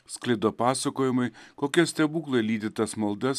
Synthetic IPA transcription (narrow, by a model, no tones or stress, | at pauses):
sklʲɐɪd̪oːpɑːsɐkoːjɪmɐɪkoːkʲɛsʲt̪ʲɛbuːklˠɐlʲiːd̪ʲɪt̪ɐsmɐlˠd̪ɐs